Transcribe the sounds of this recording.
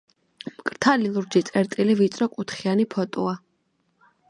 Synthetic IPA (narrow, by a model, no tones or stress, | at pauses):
mkʼɾt̪ʰalilˠuɾd͡ʒit̪sʼɛɾt̪ʼilivit̪sʼɾɔkʼut̪ʰχianipʰɔt̪ʼɔ̰a